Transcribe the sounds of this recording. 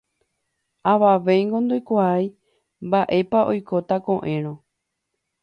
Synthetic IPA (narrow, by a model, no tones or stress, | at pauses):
aʋaʋe̞jŋɡõnd̪ojkʷaaj | mbaʔe̞paʔo̞jko̞t̪akõ̞ʔẽ̞ɾ̃õ